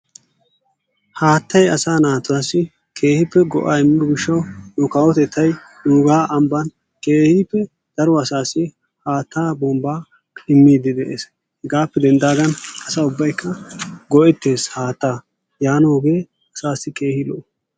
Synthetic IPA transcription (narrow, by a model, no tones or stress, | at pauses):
haːt̪ːɐjɐ̰saːnaːt̪ʊwaːsːɪ | kʰe̞ːhɪpːɛɡɔ̰ʔaːɪmːɪd̪ʊɡɪʃːɐwnʊkaːwɔt̪ɛt̪ʰːɐj | duːɡaːʔɐmbɐn | ke̞ːhipːɛ | d̪̥ɐɾɔɐsaːsːɪ | haːt̪ːaːbɔmbaː | ɪmːiːd̪ɪd̪ɛʔḛːs | hɡaːpːɛd̪ɛnd̪aːɡɐnɐsaːʊbːɐjkːɐɡɔʔɛt̪ːe̞ːshaːt̪ːaː | jaːnoːɡe̞ː | ɐsaːsːɪkeːhɪlo̰ː